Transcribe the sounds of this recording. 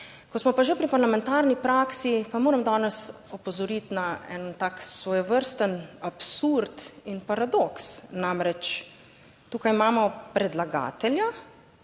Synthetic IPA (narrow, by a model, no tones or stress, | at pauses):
kɔsmɔpaʒepɾipaɾlamɛ̃nt̪aːɾnipɾaːksipamoːɾamd̪ɔːnɛs | ɔpɔzɔɾit̪naɛ̰nt̪aːksʋɔjɛʋəɾst̪ənapsuɾt̪inpaɾad̪oksnamɾɛt͡ʃ | t̪uːkajimaːmɔpɾɛd̪laɡa̰ːt̪ɛlja